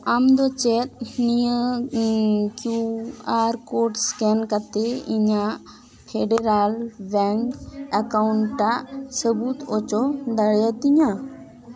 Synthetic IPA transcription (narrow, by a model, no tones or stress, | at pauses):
amd̪ɔt͡ʃɛt̪̚nijə | kjuaɾkoʈskɛnkat̪ɛiɲaʔ | pʰeɖeɾalbɛŋkakauɳʈːaʔsəbut̪ɔt͡ʃɔd̪aɽjat̪iɲa